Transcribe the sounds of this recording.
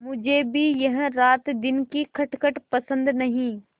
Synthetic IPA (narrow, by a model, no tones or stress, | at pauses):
mʊd͡ʒʱebʱijɐɦɾaːt̪d̪ɪnkikʰɐʈkəʈpɐsə̃nd̪nɐɦĩː